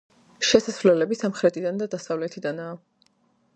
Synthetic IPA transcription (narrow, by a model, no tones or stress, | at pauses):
ʃɛsasvlɛlɛbisamχɾɛt̪ʰid̪and̪ad̪asavlɛt̪ʰid̪anaː